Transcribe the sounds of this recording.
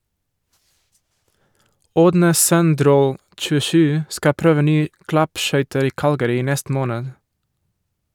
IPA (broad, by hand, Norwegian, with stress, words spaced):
ˈoːdnə ˈsœnˌdɾoː t͡ʃʉˈʃʉː ˈskɑ ˈpɾøːʋə ˈnyːə ˈklɑpˌʃœʏtəɾ ˈiː ˈkɑlɡəɾɪ ˈiː ˈnɛst ˈmoːnəd